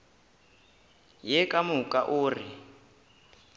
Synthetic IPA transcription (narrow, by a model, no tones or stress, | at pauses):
jɛkʼamukʼaʔʊːri